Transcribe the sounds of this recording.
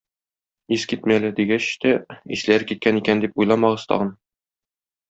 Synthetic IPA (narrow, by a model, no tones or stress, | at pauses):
iskit̪mælɘd̪iɡæɕt̪æiʃlæɾkit̪̚kænikænd̪ipujlˠɑmɑʁɤ̆z̥t̪ɒ̰ʁɤn